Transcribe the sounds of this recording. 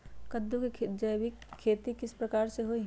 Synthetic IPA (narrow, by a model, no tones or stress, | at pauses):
kəd̪ːuked͡ʒəjʋɪkʰːeːt̪ikɪspɾəkaːɾseɦoi